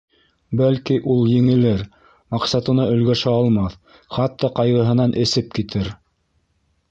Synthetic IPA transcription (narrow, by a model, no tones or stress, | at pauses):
bælkiʔulˠjɘ̆ŋɘ̆lɘɾ | mɑqsɑt̪ɤ̆nɑɵ̆lɡæʃæɑlˠmɑθ | χɑt̪ːɑqɑjʁɤ̆ɦɤ̆nɑnʔɘ̆sɘp̚kit̪ʰɘɾ